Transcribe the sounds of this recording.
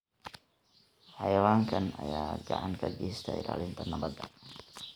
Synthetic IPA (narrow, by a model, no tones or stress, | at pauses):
hajawaŋkanajad͡ʒa̰ʔankaɡist̪a̰ḭɾa̰lint̪anabad̪a